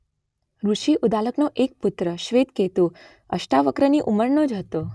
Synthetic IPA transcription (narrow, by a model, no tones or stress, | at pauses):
ɾuʃiʔud̪aləknoʔek̚put̪ɾəʃʋet̪ket̪ũ | əʃʈaʋəkɾəniʔuməɾnod͡ʒɦət̪o